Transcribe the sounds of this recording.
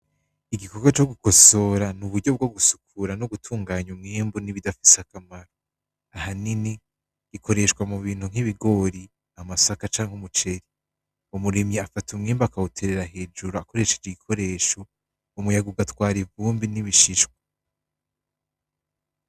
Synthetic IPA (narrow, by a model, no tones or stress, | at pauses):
iɡiko̞ɾɡat͡ʃo̞ɡuko̞so̞ːɾanuβuɾɟo̞b̚ɡo̞ɡusu̥kʰuɾanoɡutʰuːŋɡaːɲumŋeːmbuniβidafi̥sakamaɾo | ahanini | ɡ̥ikʰo̞ɾe̞ʃkwamuβiːnhuŋ̥iβiɡo̞ɾi | amasakat͡ʃaːŋhumut͡ʃe̞ɾi | umuɾemɲeafatʰumŋiːmbakautʰe̞ɾeɾaɦe̞ːd͡ʒuɾoako̞ɾe̞ʃe̞d͡ʒeɡikʰo̞ɾe̞ːʃo̞ː | mujaɡuɡatwaːɾivuːmbiniβiʃiʃwḁ